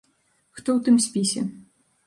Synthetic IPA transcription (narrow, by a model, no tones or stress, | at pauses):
xt̪ɔwt̪ɨmsʲpʲisʲɛ̰